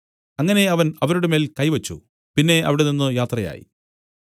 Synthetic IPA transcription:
ɐŋːɐne̞ɐʋɐnɐʋɐɾuɽeme̞ːlkɐjʋɐt͡ɕːṵ | pinːe̞ʔɐ̰ʋiɽeninːɨjaːt̪rɐja̰ːjḭ

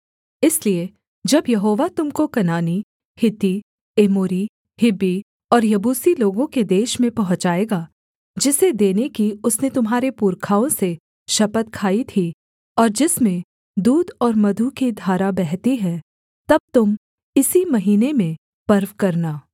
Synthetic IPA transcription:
ɪslie | d͡ʒɐbjɐɦoːʋat̪ʊmkokɐnaːni | hɪt̪i | eːmoːɾi | hɪbːi | ɔːɾjɐbuːsiloːɡõked̪eːʃmẽpɐɦʊ̃t͡ʃaːeːɡaː | d͡ʒɪsed̪eːnekiʊsnet̪ʊmɦaːɾepuːɾkʰaːõse | ʃɐpət̪̚kʰaːit̪ʰi | ɔːɾd͡ʒɪsmẽ | d̪uːd̪ɔːɾmɐd̪ʱukid̪ʱaːɾabɛɦt̪iɦɛ̃ | t̪ɐb̚t̪ʊm | ɪsimɐɦiːnemẽ | pɐɾʋkɐɾnaː

